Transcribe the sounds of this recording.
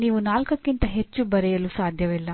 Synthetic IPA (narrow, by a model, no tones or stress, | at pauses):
niːʋunaːlkɐkːint̪ɐɦe̞t͡ʃːubɐɾɛjɐluːsaːd̪ʱjɐʋilːɐ